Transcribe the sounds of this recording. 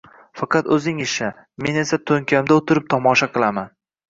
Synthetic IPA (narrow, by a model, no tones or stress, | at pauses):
fɑqʰɑt̪ɵzɪŋɪʃa | me̞ne̞sat̪ʰɵŋkʲʰamd̪aot̪ʰɪɾɪp̚t̪ʰɒmɒʃaqʰɨlˠaman